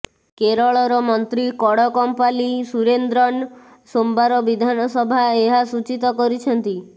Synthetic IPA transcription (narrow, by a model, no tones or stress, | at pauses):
keɾɔɭɔɾɔmɔnt̪ɾikɔɽɔkɔmpalisuɾend̪ɾɔɳ | sombaɾɔbid̪ʱanɔsɔbʱaeɦasut͡ʃit̪ɔkɔɾit͡ʃʰɔnt̪i